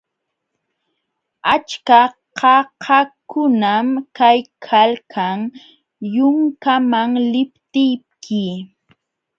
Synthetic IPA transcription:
at͡ʃka | qɑhʰakʊnamkajkʰalkʰaŋ | jʊŋkamaŋlɪpt̪ɪjp̚kʰɪ

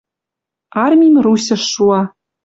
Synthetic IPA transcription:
ɑrmʲimʲrusʲɘ̆ʃːuɑ

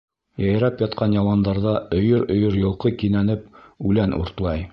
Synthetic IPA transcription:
jɑjɾɑpjɑt̪qʰɑnjɑlˠɑnd̪ɑɾðɑɵ̆jɵɾɵ̆jɤɾjŏlˠqɤkinænɘp̚ʉlænʔṵɾt̪lˠɑj

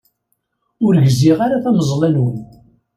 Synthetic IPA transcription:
ʊɾʝziʁaɾaθæməzˤlænwən

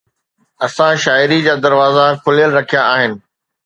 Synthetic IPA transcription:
ɐsãʃaːɪɾid͡ʑaːd̪ɐɾʋaːzakʰʊljəlɾɐkʰijaaːɦɪnɪ̆

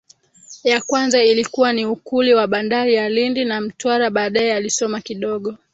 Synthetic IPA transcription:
jakwanzailikuwaniukuliwaɓandaɾijalindinam̩twaɾaɓaːɗaɛalisɔmakiɗɔɠɔ

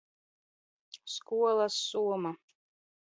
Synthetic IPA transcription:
skuɔlˠasːuɔma

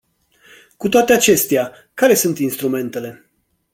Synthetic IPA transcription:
kut̪oat̪e̞at͡ʃe̞st̪ea | kaɾe̞sunt̪inst̪ɾume̞nt̪e̞le̞

